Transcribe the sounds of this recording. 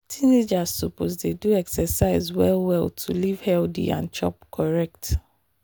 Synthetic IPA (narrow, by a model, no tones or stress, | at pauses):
tʰined͡ʒazsupʰozdeduɛksɛsaɪzwɛlwɛltʰulivhɛldḭã̰nt͡ʃʰɔ̰p̚kʰɔɹɛk̚t